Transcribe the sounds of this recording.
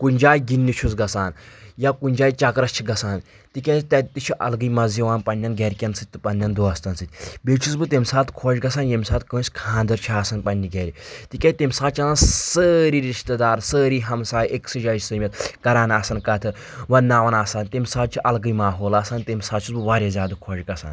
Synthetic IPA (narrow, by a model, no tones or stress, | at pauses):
kunʲd͡ʒaːjɡinʲːit͡ʃʰusɡɐsaːnjakunʲd͡ʒaːjt͡ʃɐkɾɐst͡ʃʰiɡɐsaːn | t̪ikʲɐt̪ɐt̪it͡ʃʰiʔɐ̰lɡɨjmɐziʋaːnpɐnʲːɐnɡɛɾʲkʲɐnsɨt̪̚ʲt̪ːɨpɐnʲːɐnd̪oːɐst̪ɐnsɨt̪ʲbʲeːt͡ʃʰusbɨt̪emʲsaːt̪kʰoːʃɡɐsaːnjemʲsaːt̪kə̃ːnsʲkʰãːnd̪ɐɾt͡ʃʰiaːsɐnpɐnʲːiɡɛːɾʲit̪ikʲet̪emʲsaːt͡ʃʰɐsansəːɾiɾiʃt̪ɐd̪aːɾsəːɾiːɦɐmsaːjeksɨd͡ʒaːjt͡ʃsɨmʲɐt̪kɐɾaːnaːsɐnkɐt̪ʰɨ | ʋɐnaːʋɐnaːsaːnt̪emʲsaːt̪̚t͡ʃʰiʔɐlɡɨjmaːɦoːlaːsɐːnt̪emʲsaːt͡ʃʰusbɨʋaːɾʲjɐzʲjaːd̪ɨkʰoːd͡ʒʲɡɐsa̰ːn